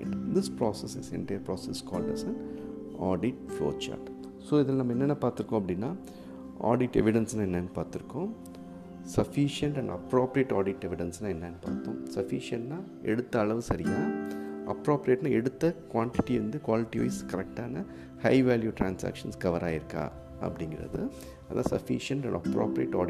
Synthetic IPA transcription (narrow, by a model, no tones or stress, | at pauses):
ɪɖd̪ɪspɾoːsɛsɪsɛ̰nʈɐjɐpɾoːsɛskɔːlɖɐ̰sɛn | aːɖɪʈ̚flo̰ːt͡ʃa̰ːɾʈ | soːɪðɪlnɐmːɐɛnːɛnːɐpaːɾt̪ɪɾɯkːõɐp̬ːɐɽɪnːaː | ʔa̰ːɖɪʈɛ̰ʋɪɖɛnsnãːɛnːɐnːpaːɾt̪ɪɾɯkːõː | sɐfiʂjɐɳʈɛ̃ɳɖɐ̰pɾoːpɾijeːʈaːɖɪʈɛʋɪɽɛnsnaːɛnːɐnːpa̰ːɾt̪ːõ̰ːsɐfiʂɪɐɳʈnaː | ɛɽɯt̪ːɐːɭɐʋɯsɐɾɪja̰ːʔɐ̰pːɾoːpɾijeʈnaːɛɽɯt̪ːɐkʋaːɳʈɪʈːiɾɐnd̪ɯkʋaːlɪʈːiʋɐ̰ɪskɐɾɛk̚ʈaːnɐ | hɐɪʋaːljuʈɾaːnsa̰ːkʂɐnskɐʋɐɾaːjɪɾɯkːa̰ː | ɐ̰pːɐɽɪŋɡɪɾɐ̰ðɯ | ɐðʔã̰ːsɐfiʂɐɳʈɛ̰̃ɳɖɐpɾo̰ːpɾijḛʈːaːɖɪ